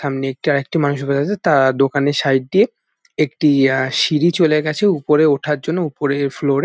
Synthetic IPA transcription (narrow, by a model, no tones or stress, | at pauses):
amniek̚ʈiaɾek̚ʈimanuʃ̬oped̪ʰaet̪ad̪okaneʃajɖ̚ɖie | ekʈiʃiɾit͡ɕoleɡɛt͡ɕʰeupoɾeoʈʰaɾd͡ʑonːoupoɾeɾfloɾe